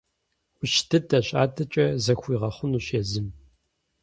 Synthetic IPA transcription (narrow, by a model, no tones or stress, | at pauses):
ʊʃtʰɨdɐɕʼa̰ːdʰɐt͡ʃʼɐzɐxʷiːʁɐχʷʊnuːɕeːzɨm